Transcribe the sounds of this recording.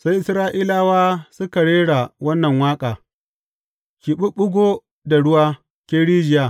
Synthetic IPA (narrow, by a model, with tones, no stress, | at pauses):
sa˦jʔɪ˨sɾaː˦ʔiː˦laː˦waː˦sʊ˦ka˨ɽeː˦ɽa˨wɐ˦nːɐ˨ŋwaː˦kʼaː˨ | kʲi˨ɓʊ˦ɓʊ˦ɡʷo˦ | da˨ɽʊ˦waː˦ | kʲeː˦ɽiː˦d͡ʒɪ˨jaː˨